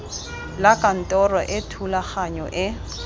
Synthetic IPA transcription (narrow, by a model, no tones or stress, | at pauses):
lakʼan̩tʼɔrɔʔɪtʰulaχaɲɔʔɪ